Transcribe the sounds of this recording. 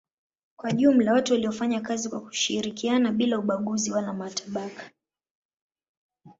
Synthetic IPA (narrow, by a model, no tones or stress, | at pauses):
kwaʄum̩lawatuwaliɔfaɲakazikwaku̥ʃiɾikianaɓilauɓaɠuziwalamataɓakḁ